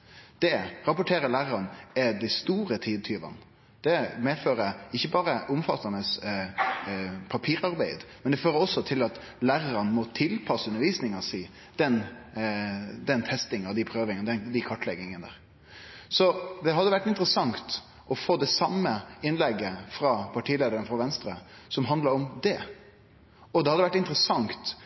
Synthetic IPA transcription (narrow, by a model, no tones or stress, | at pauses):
d̪̥ɛɾɑpʊʈʰeːɾəlæːɾəɾənɛd̪æɪst̪uːɾət̪ʰiːd̪̚t̪ʰyːʋɑ̰n | d̪̥ɛmeːføːɾəɪçːəbɑːɾəʔʊmfɑt̪ʰːɑnəs | pʰɑpʰiːɾɑɾbæɪd̪mɛnd̪ɛføːɾəɔsːɔt̪ʰɪlɑt̪ | læːɾəɾənmɔt̪ʰɪlpʰɑsəʉnəɾʋiːsnɪŋəsiː | d̪̥ɛn | d̪ɛnt̪ʰɛst̪ɪŋɑd̪ɪpʰɾøːʋɪŋənd̪ɛnd̪ɪkʰɑʈːlɛɡɪŋənəd̪æ̰ːɾ | sɔd̪ɛɦɑd̪ːəʋæʈːɪnt̪ɾəsɑŋt̪ | ʔɔfoːd̪ɛsɑmːəɪnlɛɡːəfɾɑːpʰɑʈʰiːleːd̪əɾɛnfɾɑʋɛnst̪ɾəsɔmɦɑnd̪ləɾɔmd̪ɛ | ɔd̪ɛhɑd̪əʋæʈɪnt̪ɾəsɑŋt̪